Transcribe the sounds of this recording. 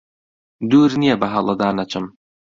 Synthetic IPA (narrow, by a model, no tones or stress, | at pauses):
d̪uːɾnijɐbɐɦɐlˠɐd̪aːnɐt͡ʃʰɨm